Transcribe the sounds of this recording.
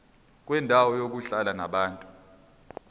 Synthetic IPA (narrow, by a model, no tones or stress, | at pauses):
k̬ʼwɛndʱawɔjok̬uɬalana̰ɓaːntʼu